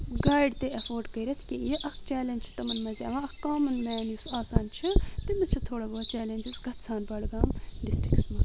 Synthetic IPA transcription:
ɡaːjɖt̪eɐfʰoːɾɖkɐiɾʲɐt̪ʰkijeʔɐkʰt͡ʃɛːlend͡ʒt͡ʃʰi̥t̪ɐmɐnmɐzʲa̰ːʋãɐkkaːmɐnmɛːnjusaːsaːnt͡ʃʰit̪imɐt͡ʃʰit̪ʰoːɽɐboːt͡ʃɛːlenʲd͡ʒizɡɐt̪ʰsʰaːnbɐɽɡaːmɖisʈiksmɐː

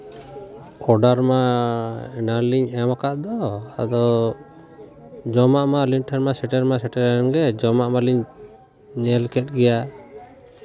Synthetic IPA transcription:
kɔɖaɾma | ɛnaɾliɲɛmakaʔd̪ɔa̰d̪ɔ | d͡ʒɔmaʔmalinʈʰɛnmasɛʈɛɾmasɛʈɛɾnɡɛd͡ʒɔmaʔmaliɲ | ɲɛlkɛt̚ɡɛja

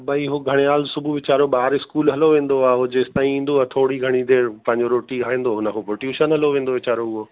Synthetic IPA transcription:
bʱɐiɦoɡʱɐɽ̃eaːlsʊbʱuʋɪt͡ɕaːɾoɓaːɾɪskuːlɦɐloʋẽːn̆d̪oaːɦod͡ʑeːst̪aːĩĩːnd̪oat̪ʰoːɽiɡʱɐɽ̃id̪eːɾpɐ̃ɦɪ̃ɲd͡ʑoɾoːʈiaːɦĩːn̆d̪oɦʊnəkʰopɾoʈjuːʃənɦɐloʋẽːnd̪oʋɪt͡ɕaːɾoʊɦo

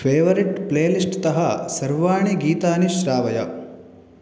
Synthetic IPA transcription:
pʰeːʋɐɾiʈpleːlisʈt̪ɐɦɐsɐɾʋaːɳiɡiːt̪aːniʃɾaːʋɐjɐ̰

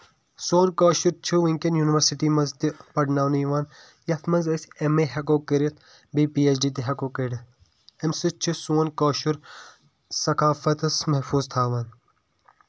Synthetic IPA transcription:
soːnkoːʃuɾt͡ʃʰiʋiŋkenjuːniʋɐɾsiʈiːmɐzt̪ipɐɖnaːwniʋaːn | jɐt̪ʰmɐnzɐsemeːɦɐkoːkɐɾit̪̚ʰ | biːpiːet͡ʃɖiːt̪̬iɦɐkoːkəɽ | emsɨt͡ʃʰisoːnkoːʃuɾ | sɐkaːfɐt̪ɐsmɐɦfuːzt̪ʰaːʋaːn

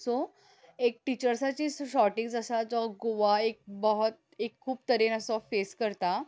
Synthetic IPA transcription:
sɔ | ek̚ʈit͡ɕəɾsat͡ɕiːsɕɔʈĩŋɡsəsat͡sɔɡoʋaek̚bəɦət̪̚ | ekʰːuːbt̪əɾenəsɔfeskəɾt̪a

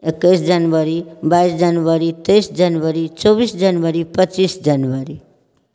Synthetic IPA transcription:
ekːʌjsd͡ʒanbʌɾibaisd͡zanbʌɾit̪ʌjsd͡ʒanwʌɾit͡sʌbisd͡ʒanwʌɾipʌt͡sisd͡ʒanwʌɾi

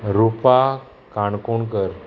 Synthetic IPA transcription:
ɾupa | kaɳkoɳkəɾ

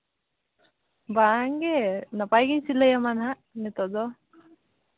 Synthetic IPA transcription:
baŋɡɛnapajɡiɲsilajamanɦa | nɛt̪ɔd̪ɔ

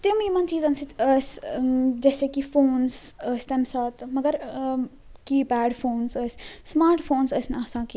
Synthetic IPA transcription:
t̪ɪmimɐnt͡ʃiːzɐnsit̪əsd͡ʒɛːsekifoːnsəsʲt̪ɐmsaːt̪mɐɡəɾ | kibæːɖfʰoːnsəssmaːɾʈfoːnsəsnaːsãːki

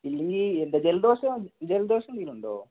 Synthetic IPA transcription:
ilːeŋɡʲilend̪ɐd͡ʑeld̪o̞ːɕɐmd͡ʑeld̪oːɕɐmt̪iːiluɳɖo̰ː

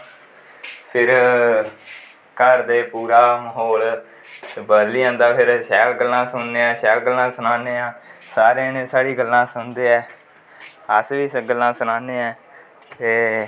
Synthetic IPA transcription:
pʰɪɾ | kəɾd̪eːpuːɾaːməɦoːl | bəd̪liːãːnd̪aːpʰɪɾsɛːlɡəlːãːsʊnːeːɛ̃ːsɛːlɡəlːãːsʊnaːneːãːsaːɾeːnẽːsaːɽiːɡəlːãːsʊnd̪eːɛː | əsʋiːseɡəlːãːsʊnãːneːɛ̃ː | t̪eː

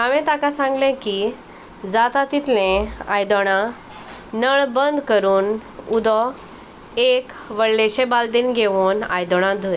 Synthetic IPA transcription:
aʋẽt̪akasãŋɡlẽki | d͡zat̪at̪it̪lẽajd̪ɔɽ̃ã | nəɭbənd̪kəɾuːnud̪ɔ | ek | ʋəɭleɕẽbald̪iːnɡʱeʋuːna̰jd̪ɔɽ̃ãd̪ʱo

